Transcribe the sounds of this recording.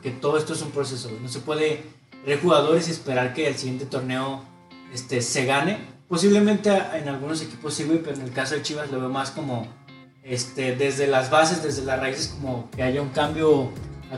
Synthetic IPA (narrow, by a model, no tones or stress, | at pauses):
ket̪o̞ðoest̪o̞e̞s̬umpɾo̞s̬e̞sono̞s̬e̞pwe̞ðe̞ | βeɾxuɣað̞o̞ɾes̬ie̞spe̞ɾaɾkeːlsiɣje̞nt̪e̞t̪o̞ɾne̞o | est̪e̞se̞ɣane̞po̞s̬iβle̞mẽnt̪eaenalɣuno̞s̬e̞ki̥po̞sːiɣwipeone̞lkaso̞ðe̞t͡ʃiβazlo̞βe̞omasko̞mo̞ | est̪e̞ðe̞zðe̞lazβas̬e̞zðe̞zðe̞lasraisesko̞mo̞ke̞aʝauŋkambjo̞a